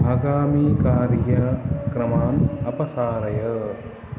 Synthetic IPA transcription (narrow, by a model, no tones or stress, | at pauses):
aːɡaːmiːkaːɾjɐkɾɐmaːnɐpɐsaːɾɐjɐ